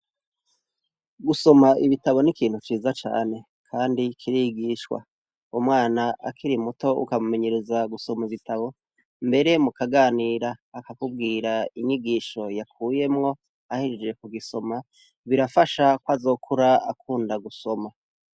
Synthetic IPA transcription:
ɡuso̞maiβitaβo̞nikiːn̥hut͡ʃiːzat͡ʃa̰ːne̞ | kʰaːndikʰiɾiiɡiːʃwa̰ | umŋaːnaʔa̰kʰiɾimuto̞ṵkamume̞ɲe̞ɾezaɡuso̞maiβitʰaβo̞ | mbe̞ɾe̞mukaɡaːniːɾaːkakub̚ɡiːɾaiɲiɡiːʃo̞jakuːje̞mŋo̞ | ahiɾid͡ʒe̞kuɡiso̞ma | βiɾafaʃakwazo̞ːkʰuɾaakʰuːndaɡuso̞ma

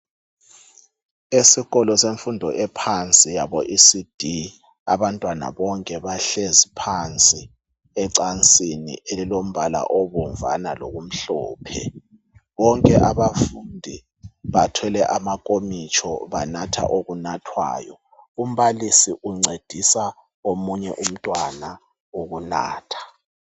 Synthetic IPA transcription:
esiɣɔlɔseɱfundʱɔʔɛpʰant͡sʼijaβɔʔisid̥ʱi | a̰βantʼwana̰βɔŋkʼɛβaɬezipʰant͡sʼi | ɛǀant͡sʼinḭʔelilom̩βala̰ʔɔβɔɱva̰nalo̰ɣum̩ɬɔ̰ːpʰɛ̰ | βɔŋkʼɛʔaβafundʱi | βatʰɛlɛʔamakʼomit͡ʃʼʰɔ̰βanatʰa̰ʔoɣunatʰwa̰ːjɔ | um̩βalisiʔuŋ͡ǀed̥ʱisa | omuɲɛʔum̩tʼwana | oɣuna̰ːtʰḁ

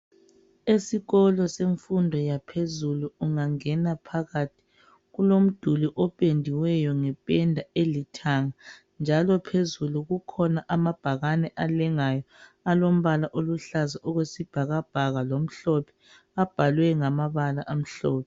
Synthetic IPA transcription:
esiɣɔlɔseɱfundʱɔjapʰezuluːŋaŋɛnapʰaɣatʰi̥ | ɣulom̩d̥ʱuliʔɔpʼendʱiwɛjɔŋɛpʼɛndʱaelitʰaŋa | nd͡ʒʱalɔpʰezuluɣukʰɔnaʔamab̥ʱaɣanɛʔalɛŋajɔ | alom̩βalaʔoluɬazaʔɔɣwesib̥ʱaɣab̥ʱaɣalom̩ɬɔpʰɛ̥ | ab̥ʱalwɛŋamaβalaʔam̩ɬɔːpʰɛ

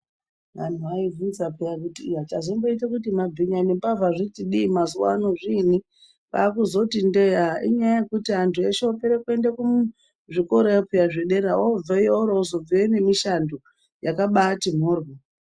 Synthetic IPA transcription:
ʋa̰n̤uʋaivunzapejakutiːat͡ʃazimboitekutimab͡viɲanimpavaʐitiɗiːmazuwa̰noʐini | pa̰ːkuzo̞tindeaḭɲajajekutiantʰueʃeopeɾekue̞ndekumu | ʐiko̞ɾojepejaʐeɗe̞ɾaob͡vejeoɾoozob͡viene̞miʃando | jakaɓatim̤oːrwo

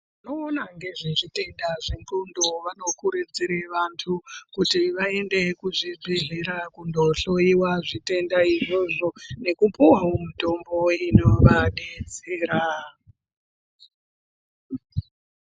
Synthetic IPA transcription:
ino̞ːnaŋɡe̞ʐiʐite̞ndaʐeŋǃundoʋano̞kuɾed͡ziɾeʋantʰukutiʋaende̞kuʐibʱiɮiɾakundo̞ɬo̞iwaʐite̞ndaiʐo̞ʐo̞ne̞kupuwaomuto̞mbo̞ino̞ʋaɗed͡zeːɾa

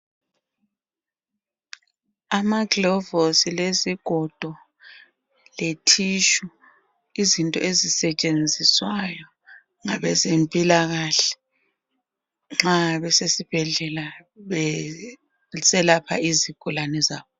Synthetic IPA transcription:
amaɡlɔvosileziɡ̥ʱɔd̥ʱɔ | letʰiʃu | izintʼɔ̰ʔezisɛt͡ʃʼend͡zʱiswajɔ | ŋaβɛzempʼilaɣaɬɛ̥ | ŋ͡ǁaβɛsesib̥ʱɛɮɛla | sɛlapʰa̰iziɡ̥ʱulanɛzaːβɔ

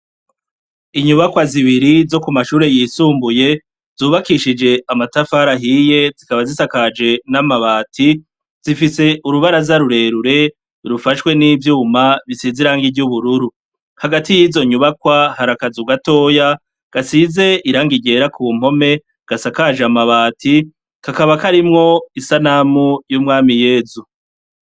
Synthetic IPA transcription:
iɲuβakwaziβiɾizo̞kumaʃuːɾe̞jisuːmbuje̞ | z̥uːβakiʃid͡ʒe̞ʔamatafaɾaɦije̞zikaβazisakad͡ʒe̞namaβaːtʰi | z̥ifise̞ʔuɾuβaɾazaɾuɾe̞ɾuɾe̞ | ɾufaʃwe̞niːvjuːmaβisiziɾaːŋɡiɟuβuɾuɾu | haɡatijizo̞ɲuβakwahaɾakazuɡato̞ːja | ɡ̥asize̞ʔiɾaːŋɡiɟe̞ːɾakʰuːm̥ho̞me̞ | ɡ̥asakad͡ʒamaβaːtʰi | kakaβakaɾimŋo̞isanamujumŋaːmije̞ːzu

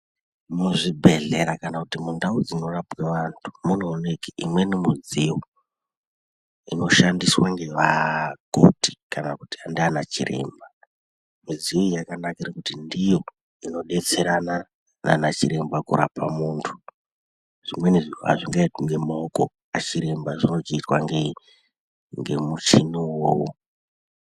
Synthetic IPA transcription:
muʐibʱe̞ɮe̞ɾakanakutimundaud͡zino̞rapweʋantʰu̥mun̤oːnekiʔḭmwe̞nemuziwo | ino̞ʃandiswaŋɡe̞ʋako̰ti̥kanakutiandianat͡ʃḭrʔe̞̰ːmba | miziojakanakairekutindijo̞ | ino̞ɗe̞t͡se̞ɾana | na̰nat͡ʃiɾe̞mbakṵɾapamuːntʰu̥ | ʐ̥imwe̞niʐa̰ʐiŋɡaiŋɡe̞maoko | at͡ʃiɾe̞mbaʐino̞t͡ʃiitwaŋɡe | ŋɡe̞̰mut͡ʃiniwoːwo

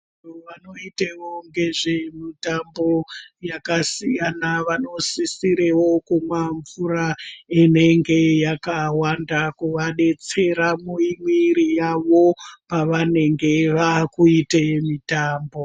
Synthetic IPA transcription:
oʋano̞itewoŋɡe̞ʐe̞mitambo̞jakasijanaʋano̞sisiɾewo̞kumwaɱvuɾaine̞ŋɡe̞jakawandakuʋaɗe̞t͡se̞ɾamuimwiɾijaʋo̞paʋane̞ŋɡe̞ʋakuitemitaːmbo

